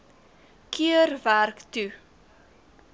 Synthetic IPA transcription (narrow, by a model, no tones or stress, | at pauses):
kʰiərværktu